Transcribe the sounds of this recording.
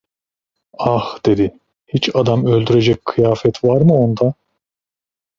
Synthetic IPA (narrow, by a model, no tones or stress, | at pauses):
axd̪̥e̞d̪i | hit͡ʃad̪amølʲd̪yɾe̞d͡ʒɛc̚kʰɯjaːfɛt̪vaɾmɯo̞nd̪a